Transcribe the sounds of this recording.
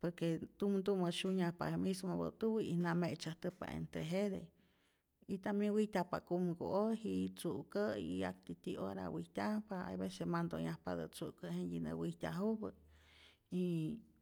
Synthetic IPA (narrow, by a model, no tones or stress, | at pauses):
poɾket̪umd̪umoʃuɲahpa̰hemismobə̰t̪uwiinamet͡ʃaht̪əpa̰ʔḛnt̪ɾeɦed̪ḛ | it̪amjewiht̪ʲahpa̰kumɡo̰ohit͡suʔkəia̰kt̪it̪iʔo̰ɾa̰wiht̪ʲahpaa̰jbesemand̪oɲahpad̪ə̰t͡suʔkəɦeɲjinəwihtʲaɦubə | i